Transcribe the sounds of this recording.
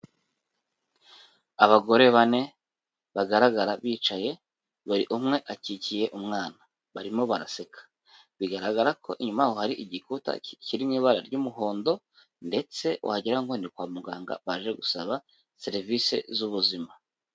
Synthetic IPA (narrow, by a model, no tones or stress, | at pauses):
aβaɡo̞ɾe̞βane̞ | βaɡaɾaɡaɾaβiːt͡ʃaje̞ | βuɾḭʔumŋe̞ʔacicije̞ʔumŋaːna | βaɾimoβaɾa̰se̞kʰḁ | βiɡaɾaɡaɾakʰo̞̰ʔiɲumaahohaɾiʔiɟikuta̰ciɾimŋiːβaɾa̰ɾɟuːmuɦo̞ːndo̞ | nde̞t͡se̞w̰haɟiɾaŋɡonikwaːmuɡaːŋɡa̰βaʒe̞ɡusaβa | se̞ɾivise̞̰zuβuzima